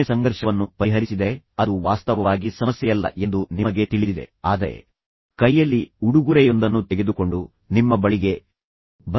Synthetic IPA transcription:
esɐŋɡɐɾʃɐʋɐnːupɐɾiɦɐɾisid̪e | ɐd̪uʋaːst̪ɐʋɐʋaːɡisɐmɐsjɛjɐlːɐ̰ʔe̞nd̪unimɐɡe̞t̪iɭid̪id̪e̞̰aːd̪ɐɾe̞̰ | kɐjːɐlːiuɽuɡuɾɛjo̞nd̪ɐnːut̪eɡe̞d̪uko̞ɳɖu | nimːɐbɐɭiɡe̞ | bɐ

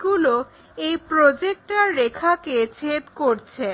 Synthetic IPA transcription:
ɡulo | ejpɾod͡ʑek̚ʈaɾːekʰaket͡ɕʰet̪koɾt͡ɕʰe

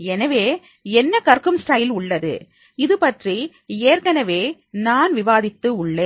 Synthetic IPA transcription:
ɛnɐʋeː | ɛnːɐkɐɾkɯmsʈɐjɪlʊɭːɐðɯ̰ | ɪðɯpɐʈri | eːɾkɐnɐʋeː | naːnʋɪʋaːðɪt̪ːɯʊɭːeː

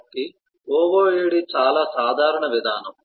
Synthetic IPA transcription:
ki | oːʋoːeːɽit͡ʃaːlaːsaːd̪ʱaːɾɐɳɐʋid̪ʱaːnɐm

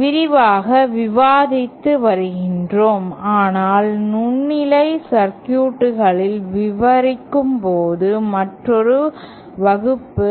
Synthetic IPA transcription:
ʋɪɾɪʋaːɣɐʋɪʋaːðɪt̪ːɯʋɐɾɯɣɪndroːmaːnaːlnʊnːɪlɐɪsɐɾkjuːʈːɯɣɐɭɪlʋɪʋɐɾɪkːɯmpoːðɯmɐʈrɔɾɯ | ʋɐɣɯpːɯ

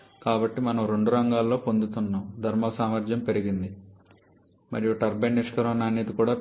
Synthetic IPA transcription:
kaːbɐʈːimɐnɐmɾe̞ɳɖuɾɐŋɡaːlːo̞ːpo̞nd̪ut̪unːaːmd̪ʱɐɾmɐsaːmɐɾd͡ʒjɐmpe̞ɾiɡind̪i | mɐɾijuʈɐɾbenːiʂkɐɾɐmnaːniːt̪ikuːɽaː

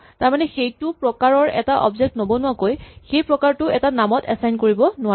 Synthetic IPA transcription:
taɹmanɛxejtʊpɹɔkaɹɔɹɛ̰taʔɔ̰bzɛk̚tnobɔnʊwakojxejpɹɔkaɹtʊɛtanamɔtɛ̰sajnkoɹibɔnʊa

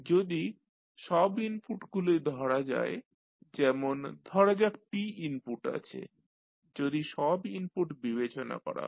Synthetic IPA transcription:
d͡ʑod̪i | ʃɔbinpuʈɡuled̪ʱɔɾad͡ʑa̰e | d͡ʑɛmond̪ʱɔɾad͡ʑak̚piinpuʈa̰t͡ɕʰḛ | d͡ʑod̪iʃɔbinpuʈbiβet͡ɕona̰kɔ̰ɾa̰

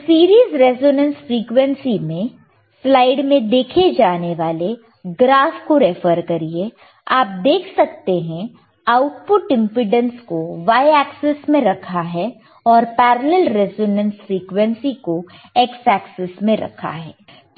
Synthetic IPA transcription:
siːɾiːzɾɛzoːnə̃nsfɾiːkʋɛ̃nsimẽ | slaːɪɖmẽd̪eːkʰed͡ʒaːneʋaːle | ɡɾaːfkoɾɛfəɾkɐɾie | aːp̚d̪eːkʰsɐk̚t̪eɦɛ̃ | aʊʈpʊʈɪ̃mpɾɪɖə̃nskoʋaːjɛːksɛsmẽɾɐkʰaɦɛ | ɔːɾpɛːɾəlɛlɾɛːzoːnə̃nsfɾiːkʋə̃nsikoɛksɛːksɪsmẽɾɐ̰kʰa̰ɦɛ̰ː

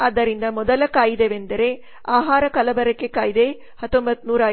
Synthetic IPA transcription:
ɐd̪ːɐɾind̪ɐmɔd̪ɐlɐkaːjid̪eʋend̪ɐɾe̞ | aːɦaːɾɐkɐlɐbɐɾɐkːekaːjid̪e̞ | hɐt̪ːombɐt̪ːnuːɾaː

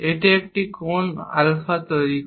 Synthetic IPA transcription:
eʈeek̚ʈikona̰lfat̪ɔɾik

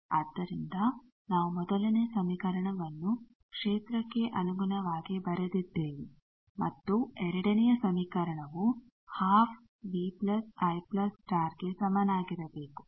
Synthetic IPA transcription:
aːd̪ːɐɾind̪ɐ | naːʋumɔd̪ɐlɐnɛjɐsɐmikɐɾɐɳɐʋɐnːu | kʂeːt̪ɾɐkːe̞ʔɐnuɡunɐʋaːɡebɐɾed̪id̪ːe̞ːʋi | mɐt̪ːuɛɾɐɽɐnɛjɐsɐmikɐɾɐɳɐʋu | haːpʰ | biplɐsɐjplɐsʈaːɾɡe̞sɐmɐnaːɡiɾɐbe̞ːku̥

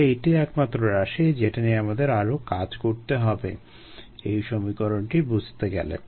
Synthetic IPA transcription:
ejʈiɛkmat̪ːɾoɾaʃed͡ʑeʈanieamad̪eɾaɾokad͡ʑkoɾt̪eɦɔbḛ | ejʃomikoɾoɳʈibud͡ʑʱt̪eɡɛ̰lḛ

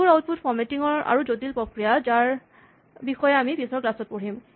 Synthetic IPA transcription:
uɹawt̚pʰutfʰɔɹmetiŋɔɹa̰ɹuzotilpɹokɹijazaɹ | bixɔjɛamipisɔɹklasɔt̚poɹim

